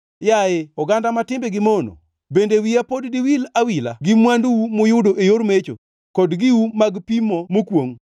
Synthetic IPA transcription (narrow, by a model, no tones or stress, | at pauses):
jaeɔɡandamatɪmbeɡɪmono̰ | bendewiapoddiwilawila̰ɡɪmwandwumʊjʊdoʔejoɾmet͡ʃo̰ | kɔdɡɪwumaɡpimɔmokwoŋ